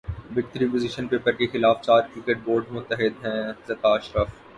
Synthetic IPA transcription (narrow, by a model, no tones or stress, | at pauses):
ʋɪk̚t̪əɾipoziʃənpeːpəɾkexɪlaːft͡ʃaːɾkɾɪkeʈ̚boːɾɖmʊt̪ːəɦɪd̪ɦɛ̃ːzɐt̪aːʃɾəf